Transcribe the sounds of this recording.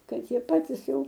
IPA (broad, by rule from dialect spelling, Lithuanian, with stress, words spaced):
ˈkɐt ˈjiɛ ˈpɑːtʲɪs ˈjɛʊ